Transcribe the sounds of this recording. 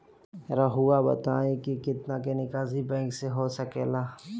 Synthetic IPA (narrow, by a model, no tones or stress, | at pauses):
ɾaɦuabɐ̰t̪aːẽkikɪt̪nakenɪkaːzibɛ̃ːŋkseɦosɐkḛːlaː